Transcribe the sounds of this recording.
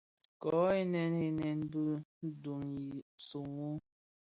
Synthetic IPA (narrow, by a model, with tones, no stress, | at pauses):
kɔ˨˦e˦nɛ˦ne˦nɛ˦nbə˦n̩˦du˨ŋi˨su˨ŋu˦